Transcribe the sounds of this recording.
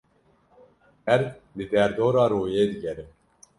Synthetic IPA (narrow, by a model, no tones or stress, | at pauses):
ɛɾd̪ɨd̪ɛɾd̪oːɾɑːɾoːjeːd̪ɨɡɛɾɪm